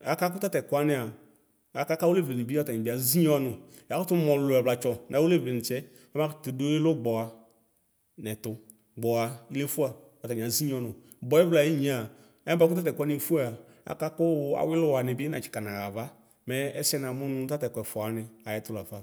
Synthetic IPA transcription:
a˨ka˦k̬ʊ˦ta˦tɛ˨kʊ˨˦a˨nɪ˨a˨ | a˨ka˦ka˦wo˦le˦˨ve˨nɪ˨bi˦ɔ˦ta˨ɲi˨ɪ˦a˨zi˦ɲ˦ɔ˦nʊ˨ | a˨˦kʊ˦tʊ˦mɔ˨lʊ˨ɛ˨vla˨t͡ʃɔ˨nʔã˨˦wo˦le˦˨ve˨nɪ˨t͡ʃɛ˦ | ɔ˦ma˦ktʊ˨do˦ɪ˦lʊ˦ɡ͡bɔ˨a˨ | nɛ˨tʊ˨ | ɡ͡bɔ˨a˨i˦le˦fu˦a˨ | ɔ˨ta˨ɲ˨a˨zi˦ɲ˦ɔ˧nʊ̃˨ | bɔ˨ɛ˦vla˨i˦ɲĩ˨˦a˨ | ɛ˦ba˦kʊ˦ta˦tɛ˨kʷa˦nɪ˦˨fu˦a˦˨a˨ | a̰˨ka˦kʊ˦a̰˨wɪ˦lʊ˦wa˨nɪ˨bɪ˦na˨t͡ʃɪ̥˨ka˨nã˨ɣa˨va˦ | mɛ˨˦ɛ˦sɛ˦na˨mʊ˦nʊ̃˦ta˦tɛ˨kʷɛ˨fɔ˨a˨nɪ˨a˨jɛ˦tʊ˦la˨fa˦

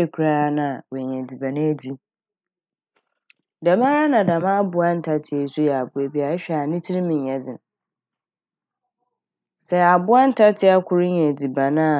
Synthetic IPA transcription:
e˨kʰu˨˦ɾa˦ɾa˦nã˨wɛ˨ɲ˨ɛ̃˨d͡zi˨bã˨nã˦d͡zi˦ | dã˨mã˦ɾa˦nã˨da˨mã˦a˦bʊ˨a˦n̩˦tʰa˦tʰɪ˨e˨˦su˦jɛ˨a˨bʊ˨e˨bi˦a˨˦ɕᶣɛ˦˨a˨nɪ̃˦tʰɪ˦ɾi˦mɪ̃˨ɲː˨ã˨d͡zɪ̃˨n˨ | sɛ˦˨a˨bʊ˦a˦n̩˦tʰa˦tʰɪ˦a˦kʷʰʊ˦ɾɲ˦ɛ̃˨d͡zi˨bã˨nã˦˨

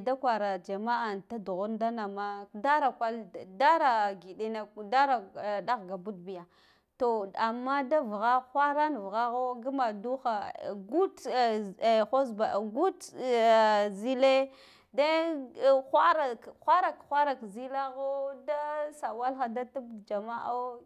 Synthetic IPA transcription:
da˦kʷa˨ɾa˨d͡ʒa˨ma˦a˨nta˦du˨ɣu˦nda˦na˨ma˦da˦ɾa˨kʷa˦lda˦ɾa˨ɡi˨ɗi˦na˨da˦ɾa˨da˦ɣɡa˨bu˦d̚bi˨ja˨ | to˨a˨mːa˦da˦vɣa˦xʷa˦ɾa˦n˨vɣa˦ɣo˦ɡa˦ma˨du˦xa˨ɡu˦t | xo˦sba˨ɡu˦t | zi˦le˦ | da˦ | xʷa˦ɾa˨xʷa˦ɾa˨kxʷa˦ɾa˨kzi˦la˦ɣo˦da˦sa˨wa˦lxa˨da˦ta˦bd͡ʒa˨ma˦ʔa˦

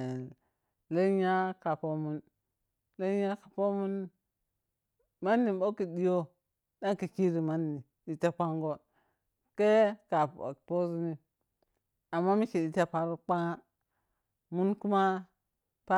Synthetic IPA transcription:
le˦ɲa˦ka˨po˦mu˦n | le˦ɲa˦ka˨po˦mu˦n | ma˦nːi˨bo˦ki˨di˦jo˦ | da˦ŋ˦ki˨ki˦ɾi˨ma˦nːi˨ | di˨ta˦k͡pa˦ŋɡo˦ | ke˦ka˨po˦zi˦ni˦ | a˨mːa˦mi˦ki˨di˨ta˦pa˨ɾk͡pa˦ŋa˦ | mu˦nku˦ma˦ | pa˦

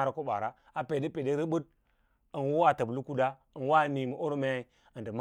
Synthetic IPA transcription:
ɾa˨ko˦ba̰˨ɾa˦ | a˨pe˨de˦pe˨de˦ɾə˦bu˦d̚ | ə˨nwo˦wa˦ta˨blu˦ku˦da˦ | ə˨nwa˦˨ni˨mu˨ʔo˦ɾo˦me˦i˨ | ə˨ndə˨m˦

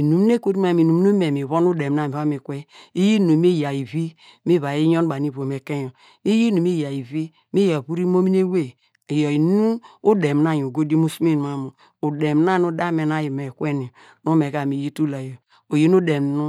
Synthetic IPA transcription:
i˨nu˨m˦n˦e˦kʷo˦ɾi˦ma˦˨m˨i˨nu˨m˦u˦me˨mi˨βo˦n˦u˦de˨m˦na˦˨mi˨βa˦mi˨kʷe˦i˦ji˦nu˨mi˦ja˨i˨vi˦ | mi˦βa˨ji˦jo˦n˦ba˨ni˦βo˨m˨e˨ke˦jo˨ | i˦ji˦nu˨mi˦ja˨i˨vi˦ | mi˦ja˨βu˦ɾi˦mo˦mi˦ne˦we˦˨ | jo˨i˨nu˦u˦de˨m˨na˦˨ju˨ɡo˦di˦mu˦su˦mi˦˨n˨a˨mu˨ | u˨de˨mn˦a˦˨nu˦da˦me˨na˦ji˨me˨kʷe˦ni˨ | nu˦me˨ka˨mi˨ji˦tu˦la˨jo˨ | o˨je˦nu˦de˨m˨nu˦

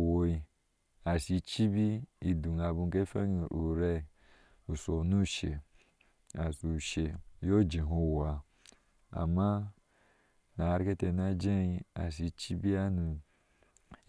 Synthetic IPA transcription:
wo˨i˨ | a˨si˨t͡ʃi˦bi˦i˨du˨n˨a˨bu˨ŋ˨ke˦fe˦ŋ˨u˨ɾe˦˨ | u˨so˨nu˦˨ʃe˨ | a˨su˨ʃe˨jo˦d͡ʒi˨ɦo˦˨wa˨ | a̰˨ma˦ | na˨ɾi˦ke˦te˨na˦d͡ʒe˦i˦a˨si˨t͡ʃi˦bi˦a˦nu˨

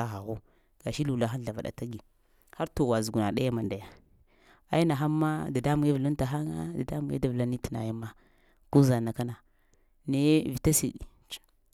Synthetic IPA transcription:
a˨ɦa˨ɣu˦ | ɡ̥a˨ʃi˦lu˨la˦xa˦n˦ɬa˨va˨ɗa̰˨ta˦ɡi˨ | ha˦ɾto˨wa˨zu˨ɡu˨na˨ɗa˦ja˦ma˨nda˨ja˦ | a˦ji˦na˨ɦa˦mːa˦da˨da˦mu˨ɡa˦vu˨lu˦nta˨ɦa˦ŋa̰˦da˨da˦mu˨˦a̰˦da˨vla˦ni˦ti˨na̰˨ja˦ma˦ | ku˦za˨na˨ka˦na˨ | ne˦vi˨ta˦si˨ɗi˨ | t͡ʃ

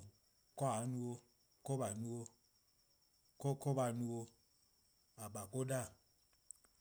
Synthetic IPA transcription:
kɔ˦a˨˦nu˦o˦ | ko˦ba˨nu˦o˦ | ko˦ko˦ba˨nu˦o˦ | a˨ɓa˨ko˦da˦˨

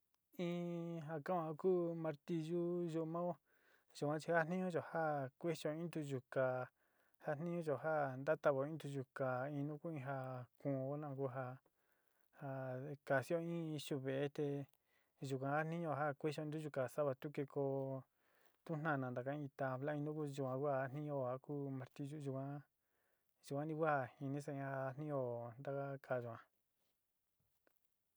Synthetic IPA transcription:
ĩ˦ɦa˧kã˦ũ˧ha˧kuː˦mã˧ɾt̪i˧ʒu˦ʒu˧mã˦o˦ | ʒu˨kʷã˧˦t͡ʃi˧ha˦n̥ĩ˦ɲũ˦ʒo˨ha˦kʷe˦ʃo˧ĩ˦t̪u˧ʒu˨ka˨ | ha˦n̥ĩ˦ɲũ˦ʒo˨ɦa˦nd̪a˦t̪a˧βo˨ĩ˦t̪u˧ʒu˨ka˨ĩ˧nũ˦ku˦ĩ˧ɦa˧kũ˨˧o˦nã˧˨˧ku˦ɦa˧ | ha˧ka˨si˦o˦ĩ˦i˧ʃu˧βe˨e˦t̪e˧ | ʒu˨kʷã˧ha˦nĩ˦ɲõ˧˨ɦa˦kʷi˦ʃõ˧˦˧u˦ʒu˧ka˨sa˦βa˧t̪u˦ke˧ko˧ | t̪u˦n̥ã˧˨nã˨nd̪a˨˧kã˦ĩ˧t̪a˧βla˦ĩ˧nũ˦ku˦ʒu˧˨kʷã˧kʷa˦a˧˦n̥ĩ˦o˧˨ha˧ku˦mã˧ɾt̪i˦ʒu˧ʒu˧kʷã˧ | ʒu˧kʷã˧˦nĩ˧˦kʷa˦a˧hi˧nĩ˦s̬a˧ĩ˧ha˧n̥ĩ˦o˧˨nd̪a˧ka˦kʰa˧˨ʒu˨ã˧

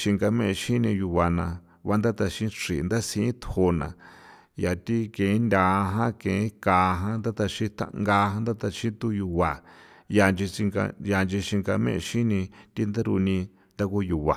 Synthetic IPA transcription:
ʃi˧ŋɡa˧mẽ˦˧ʃĩ˦nĩ˧ju˧βa˨nã˨ | βa˦nd̪a˦t̪a˧ʃĩ˦ʂḭ˨˧nd̪a˦sĩ˧˦ĩ˦t̪ʰho˧nã̰˨ | ja˨t̪i˦kẽ˨˦ndʲa˨˧ɦã˦kẽ˨˦ka˨ɦã˦nd̪a˦t̪a˧ʃĩ˦t̪ʰa̰˧ŋɡa˧ɦã˦nd̪a˦t̪a˧ʃĩ˦t̪u˦ju˧βa˨ | ja˧nd͡ʒi˧i˧ɡa̰˧ja˧nd͡ʒi˧ʃi˧ŋɡa˧mḛ̃˦ʔʃĩ˦nĩ˧t̪i˦nd̪a˦ɾu˧nĩ˧ | nd̪a˦ku˦ju˨βa˨

